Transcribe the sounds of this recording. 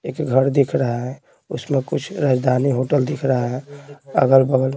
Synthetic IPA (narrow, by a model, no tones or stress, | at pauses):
ekɡʱəɾd̪ikʰɾəɦaɦɛ | usmekut͡ʃʰɾad͡ʒd̪ʱaniɦoʈəld̪ikʰɾəɦɦɛ̃ə̰ɡəlbəɡəl